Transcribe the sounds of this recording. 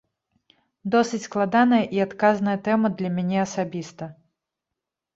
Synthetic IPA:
d̪ɔsɨt͡sʲsklˠad̪anɐjɐʔiat̪kaznɐjɐt̪ɛmɐd̪lʲɐmʲanʲɛɐsabʲist̪ɐ

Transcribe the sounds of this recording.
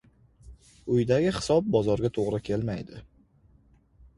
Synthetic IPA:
ʊjd̪aɡʲɪhɪ̥sɒb̚bɒzɒɾɡʲat̪ʰoʁɾɪkʲʰe̞lmajd̪ɪ

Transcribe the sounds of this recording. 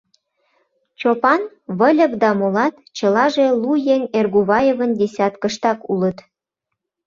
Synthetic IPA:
t͡ɕopɑn | βəlʲə̆kd̪ɑmolɑt̪t͡ɕəlɑʒelujenerɣuβɑjevənd̪ʲesʲɑt̪kəʃt̪ɑkulət̪

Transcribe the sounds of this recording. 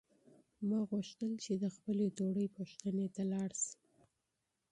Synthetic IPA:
mɑɣuʃt̪əlt͡ʃed̪əxpəlet̪oɽəjpəʃt̪ənet̪alɑɽsi̥

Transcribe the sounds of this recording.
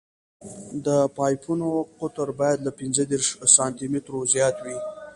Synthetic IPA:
d̪əpɑjpʰunoqʊt̪əɾbɑjad̪lapɪnzəd̪eɾʂsɑnt̪imɪt̪ɾozjɑt̪wi

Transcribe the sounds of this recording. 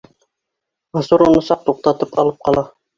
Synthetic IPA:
mɤ̆suɾunɤsɑq̚t̪uq̚t̪ɑt̪ɤpɑ̰lˠɤp̚qɑlˠɑ

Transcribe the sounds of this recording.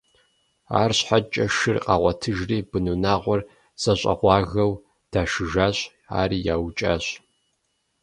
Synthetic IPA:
a̰ːrɕħat͡ʃʼɐʃɨrqʼɑ̰ːʁʷɐtʰɨʒriːbɨnunaːʁʷɔr | sʼɐɕʼɐ̰ʁʷɑːɣɐw | d̥aːʃɨʒaːɕʼ | a̰ːɾiːjaːwt͡ʃʼa̰ːɕʼ

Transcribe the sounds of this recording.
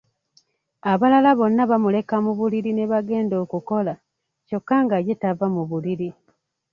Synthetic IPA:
aβalalaβo̞nːaβamule̞kamuβuliɾine̞βaɡe̞ːndo̞ːkuko̞la | co̞kːaŋɡaje̞tavamuβuliɾi

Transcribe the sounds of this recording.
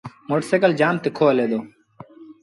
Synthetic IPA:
moʈsekəld͡ʒaːmt̪ekʰoːəleːd̪oː

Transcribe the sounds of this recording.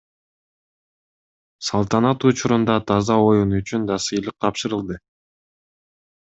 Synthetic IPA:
sɑlˠt̪ɑnɑt̪ut͡ʃuɾund̪ɑt̪ʰɑzɑo̞junyt͡ʃynd̪ɑsɯjlˠɯq̚t̪ʰɑpʃɯɾɯlˠd̪ɯ

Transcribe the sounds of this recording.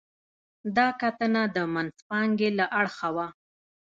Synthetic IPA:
d̪ɑkat̪ənad̪əmanspɑŋɡelaʔaɽxawa

